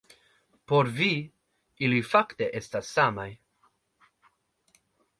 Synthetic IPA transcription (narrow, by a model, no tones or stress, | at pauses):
poɾvi | ilifakte̞ʔe̞stasːamaj